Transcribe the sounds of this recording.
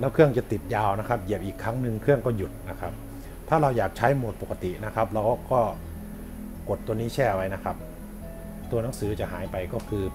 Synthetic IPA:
lɛː˦˥wkʰɯ˥˩əŋt͡ɕa˨˩t̪i˨˩t̪̚jaː˧wna˦˥kʰa˦˥p̚je˨˩p̚ʔiː˨˩kʰːɾa˦˥ŋnɯ˧ŋkʰɯ˥˩əŋkɔː˥˩ju˨˩t̪̚na˦˥kʰa˦˥p̚ | t̪ʰaː˥˩ɾa˧wjaː˨˩k̚t͡ɕʰa˦˥jmo˨˩t̪̚po˨˩ka˧t̪i˨˩ʔna˦˥kʰa˦˥p̚ɾa˧˥wkɔː˥˩ | ko˨˩t̪ːu˧ənːiː˦˥t͡ɕʰɛː˥˩ʔwa˧jna˦˥kʰa˦˥p̚ | t̪u˧ɐna˩˦ŋsɯː˩˦˥t͡ɕa˨˩ɦaː˩˦jpa˧jkɔː˥˩kʰɯː˧

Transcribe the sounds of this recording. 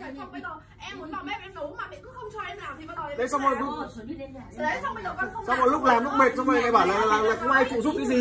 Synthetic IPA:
ŋ͡mɓə˧o˨˩ | ʔɛ˧mːu˨˦əna˨˩ɓɛ˦˥p̚ɛ˧nɗo˨˦maː˨˩ɓḭ˧˨kṵ˧˥xə˧wŋ͡mt͡ɕɔ˧ʔɛ˧maː˨˩t̪ʰi˨˩˧ɗə˨˦jsa˧wmo˧˩ju˧˦˧ | a˧wə˨˩˨sa˧wmɔ˨˧˩jlʊ˦˥k͡p̚laː˨˩mlʊ˦˥k͡p̚ɓe˨˩t̚t͡ɕɔ˧wfə˨˩ma˨˩jɓaː˧˩wlaː˨˩˨laː˨˩la̰ː˧˨˩kʊ˧˦wŋ͡mʔaː˧jt͡ɕṵ˧˨zu˦˥p̚ɲɨ̰˧˥ŋzi˨˩

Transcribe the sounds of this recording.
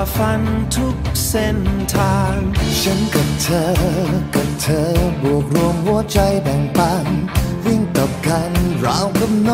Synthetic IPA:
fa˧nt̪ʰu˦˥k̚se˧nt̪ʰaː˧ŋɕə˧˦˥nka˨˩p̚t̪ʰəː˧˦ka˨˩p̚t̪ʰəː˨˧˦bu˨˩ək̚ɾu˧əŋhu˧˥ət͡ɕa˧jbɛː˨˩ŋpaː˧˥nwi˧ənt̪ɔ˨˩p̚ka˧nɹa̰ː˧˥wkə˦˥p̚nɔ˧

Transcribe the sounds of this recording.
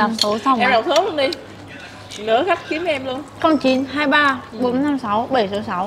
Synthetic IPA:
a˨˩mt̪ṵ˧˩˦sa˧wɛ˨˧ɗa˨˩t̪ʰɨ˨˦wlu˧ənɗi˧ | nɨ̰˧˥əxa˦˥k̚xi˨˦əm˨˧ʔɛ˧mlu˧ənkɔ˧nt͡ɕi˧˦nɦaː˧jɓaː˧ɓo˨˦nna˧msa˨˦wɓə˧˩jsɨ̰˧˥sa˧˦w

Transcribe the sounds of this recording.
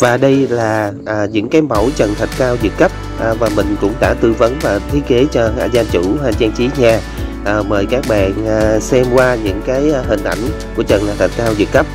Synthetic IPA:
vaː˨˩ɗə˧jlaː˨˩ʔːɲɨ̰˧˥ŋkaː˨˦jmə˧˩wt͡ɕə˨˩nt̪ʰə˨˩t̚kaː˧wzɨ̰˨˩t̚kə˦˥p̚ | ʔvaː˨˩mï˨˩ŋ̟kʊ̰˧˥ŋ͡mɗa̰ː˧˥t̪ɨ˧və˨˦nvaː˨˩t̪ʰi˨˦ke˨˦t͡ɕɔ˧aː˧˩zaː˧nt͡ɕṵ˧˩haː˨˩t͡ɕɛː˧ŋt͡ɕi˨˦ɲaː˨˩ | ʔəː˨˩məː˨˩jkaː˦˥k̚ɓa̰ː˧˨nʔːsɛ˧mkwaː˧ɲɨ̰˧˥ŋkaː˨˦jɦï˨˩ŋ̟ʔa̰˧˩jŋ̟ku˧˩ət͡ɕə˨˩n˨˩t̪ʰə˨˩t̚kaː˧wzɨ̰˨˩k̚kə˦˥p̚

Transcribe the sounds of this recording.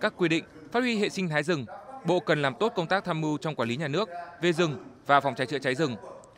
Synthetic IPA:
kaː˦˥kːwi˧ɗḭ̈˧˨ŋ̟faː˦˥t̚hwi˧ɦḛ˧˨sï˧ŋ̟t̪ʰaː˨˦jzɨ˨˩ŋɓo̰˧˨kə˨˩nlaː˨˩mt̪o˦˥t̚kə˧wŋ͡mt̪aː˦˥k̚t̪ʰaː˧mmɨ˧wt͡ɕɔ˧wŋ͡mkwaː˧˩li˨˦ɲaː˨˩nɨ˦˥ək̚ve˨˩zɨ˨˩ŋvaː˨˩fa˨˩wŋ͡mt͡ɕa˨˦jt͡ɕɨ̰˧˨t͡ɕa˨˦jzɨ˨˩ŋ

